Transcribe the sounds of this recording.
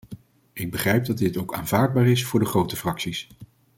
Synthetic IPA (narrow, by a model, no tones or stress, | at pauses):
ʔɪɡ̚bəχrɛjp̚dɑdɪtowka̰ːnvaːɹd̚baːɹɪsfʊːɹdəχrowtəfrɑksis